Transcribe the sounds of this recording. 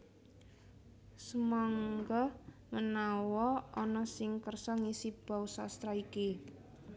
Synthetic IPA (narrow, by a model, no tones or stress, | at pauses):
səmaŋɡɔmənawɔɔnɔsɪŋkərsɔŋisib̥a̤usast̪ɾaiki